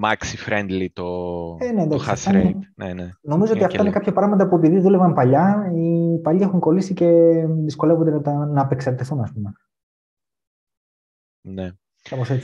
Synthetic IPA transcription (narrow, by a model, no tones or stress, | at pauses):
mɐksifɾend̪lit̪oeneːnd̪ɐksɐfsɐɾneneno̞mizoot̪ɐfɐinekɐpçɐpɾɐɣmɐt̪ɐpue̞piðiðule̞vɐmpɐʎɐipɐʎiexuŋko̞lisice̞ðisko̞levond̪eɐt̪ɐnɐːpe̞ksɐɾt̪iθunɐspume | ne | kɐposet͡s